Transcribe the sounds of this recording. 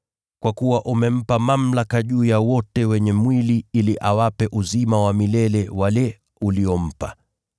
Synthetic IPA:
kwakuwaʔumɛm̩pamam̩lakaʄuːjawɔtɛwɛɲɛmwiliiliʔawapɛʔuzimawamilɛlɛwalɛ | uliɔm̩pa̰

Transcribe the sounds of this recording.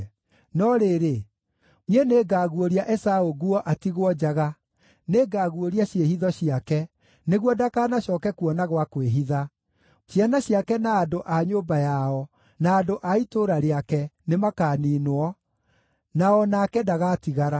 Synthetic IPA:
nɔɾeɾe | miɛneːɡaːɣuoɾiaʔɛsaoɣuɔʔatiɣwɔd͡ʑaɣa | neːɡaːɣuoɾiaɕjehiðɔɕiakɛ | neɣwɔdakaːnaɕɔkɛkuɔnaɣwakweɦiða | ɕjanaɕijakɛnaːdoʔaɲoːbajaɔ | naːdoʔaitoɾaɾeakɛnemakaːniːnoɔ | naɔnakɛdaɣatiɣaɾa

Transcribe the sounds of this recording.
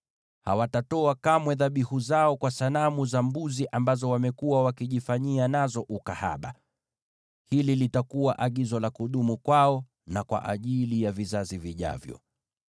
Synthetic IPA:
ha̰watatɔakamwɛðaɓihuzaɔkwasalamuzambuziʔambazɔwamɛkuwawakiʄifaɲianazɔʔukaha̰ɓa̰ | hililitakuwaʔaɠizɔlakuɗumukwaɔ | nakwa̰ʔa̰ʄilijavizaziviʄa̰vjɔ̰

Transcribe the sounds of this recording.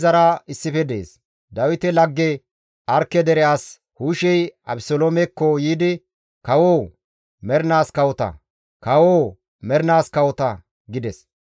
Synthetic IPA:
zɐɾɐɪsːɪfɛd̪ḛːs | d̪ɐwɪt̪ɛlɐɡːɛ | ʔɐɾkːɛd̪ɛɾɛaːs | huːʃɛjɐbsoloːmɛkːɔjiːd̪ɪ | kɐwoː | mɛɾnaːskɐwɔt̪ɐ̰ | kɐwoː | mɛɾnaːskɐwɔt̪ɐ | ɡɪd̪ɛs

